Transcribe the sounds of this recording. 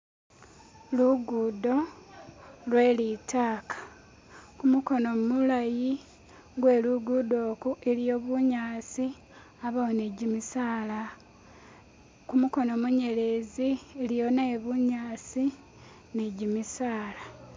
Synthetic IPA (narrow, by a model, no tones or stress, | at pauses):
luɡudo̞ | lwe̞ːlitʰaːkḁ | kumuko̞no̞mulaji | ɡwe̞ːluɡudo̞ːkuʔelijo̞ːβuɲaːt͡si | aβawone̞ɟimisaːla | kumuko̞nomuɲe̞le̞zielijo̞neβuɲaːsi | ne̞ɟimisaːla